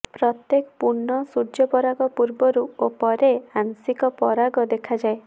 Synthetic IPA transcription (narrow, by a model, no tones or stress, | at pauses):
pɾɔt̪jekɔpuɾɳɔsuɾd͡ʒɔpɔɾaɡɔpuɾbɔɾuopɔɾeaŋsikɔpɔɾaɡɔd̪ekʰad͡ʒae